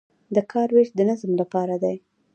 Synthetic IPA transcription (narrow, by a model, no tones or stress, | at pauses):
d̪əkʰɑɾweʃd̪ənazmlapɑɾad̪aj